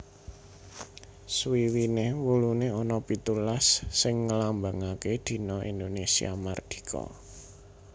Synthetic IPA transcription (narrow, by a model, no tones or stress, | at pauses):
swiwinehwuluneɔnɔpit̪ulasːɪŋːəlambaŋaked̪̥i̤nɔʔḭnd̪onesia̰mard̪̥i̥̤kʰɔ̰